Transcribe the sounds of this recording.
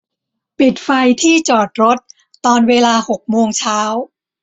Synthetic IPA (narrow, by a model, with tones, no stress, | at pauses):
pi˨˩t̪̚fa˧jt̪ʰiː˥˩t͡ɕɔː˨˩t̪̚ɾo˦˥t̪̚ː | ɔː˧nweː˧laː˧ho˨˩k̚moː˧ŋt͡ɕʰaː˦˥w